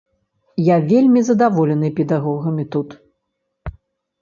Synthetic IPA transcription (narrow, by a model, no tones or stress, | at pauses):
javʲelʲmʲizɐd̪avɔlʲɛnɨpʲɛd̪aɣɔɣɐmʲit̪ut̪